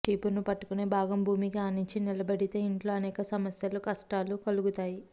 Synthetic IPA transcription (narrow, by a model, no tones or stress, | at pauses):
ʈiːpunupɐʈːu̥kuneːbʱaːɡɐmbʱuːmikiaːniɲt͡ʃinilɐbɐɽit̪e̞ːiɳʈlo̞ːɐnɛːkɐsɐmɐsjɐlukɐsʈaːlukɐluɡut̪aːji